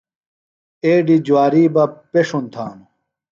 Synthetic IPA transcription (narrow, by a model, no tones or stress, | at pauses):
eːɖid͡ʑwaːɾiːbɐpeʂunt̪ʰaːnu